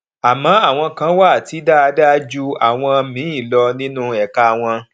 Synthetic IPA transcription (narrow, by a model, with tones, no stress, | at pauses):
a˨mãː˨˦a˦˨w̃ɔ̃˧kã˨˦wa˦˨ti˨˦da˦a˧da˦d͡ʒu˦a˨w̃ɔ̃˧mĩ˨˦ĩ˦˨lɔ˧nĩ˦nũ˦ɛ˨ka˧˨w̃ɔ̃˧